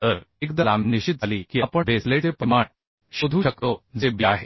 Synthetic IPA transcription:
t̪əɾekd̪əlamniɕit̪̚aliːkiːapəʋʱeslet̪epəmaɳ | ɕod̪ʱuːɕəkt̪od͡zebiaɦe

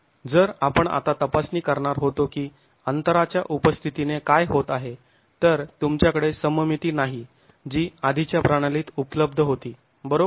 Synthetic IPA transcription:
d͡zəɾapəɳa̰t̪at̪əpasniːkəɾɳaɾɦot̪okiː | ənt̪əɾat͡ɕjaʔupəst̪ʰit̪inekajɦot̪aɦe | t̪əɾt̪umt͡ɕjakəɽesəməmit̪iːnaɦi | d͡ʑiːad̪ʱit͡ɕjapɾaɽ̃aliːt̪upələb̚d̪ʱəɦot̪iː | bəɾo

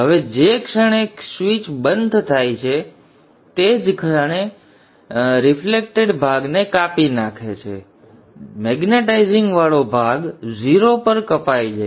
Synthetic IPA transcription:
ɦəʋed͡ʒekʃəɳ̃eksʋit͡ʃbənd̪ʱt̪ʰajt͡ʃʰe | t̪ed͡ʒkʰəɳ̃e | ɾɪflek̚ʈeɖbʱaɡnekapinakʰet͡ʃʰḛ | mɛɡneʈaiziŋɡʋaɭobʱaɡd͡ʒiɾopəɾkəpajd͡ʒe

